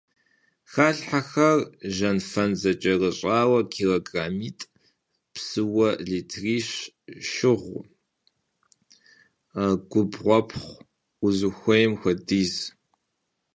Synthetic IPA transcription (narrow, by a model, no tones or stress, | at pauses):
xaːɬħaxɐrʒɐnfɐnzɐt͡ʃʼɐrɨɕʼaːwɐkʰiːloɡraːmiːtʼ | psɨwɐɮiːtʰriːɕ | ʃɪʁʷ | ɡ̥ʷʊbʁʷɔpʰχʷ | ʊzɨxʷɔjɛmxʷɐdiːz